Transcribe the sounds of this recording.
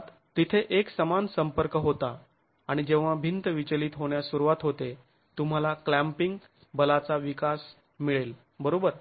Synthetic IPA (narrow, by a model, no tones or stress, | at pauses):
t̪ | t̪it̪ʰeʔeksəmansəmpəɾkəɦot̪aː | ɽ̃id͡ʑeʋ̤abʱint̪əʋit͡ɕliːt̪ɦoɽ̃jasuɾuʋat̪ɦot̪e | t̪um̤alaklæmpiŋɡ | bəlat͡saʋikas | miɭel | bəɾobəɾ